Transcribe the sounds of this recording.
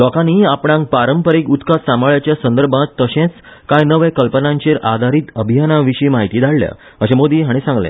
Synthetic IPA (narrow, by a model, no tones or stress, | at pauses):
lɔkaniːapɽãŋk̚paɾəmpəɾiːkut̪kasãmɭjat͡ɕjasənd̪əɾbʱãt̪ːəɕẽt͡skãjnəʋẽkəlpənãɲt͡ɕeɾʔa̰d̪ʱaɾiːt̪əbʱijanaʋiɕiːmaɦit̪iːd̪ʱaɽlja̰ | əɕẽmod̪iːɦaɽ̃isãŋɡlḛ̃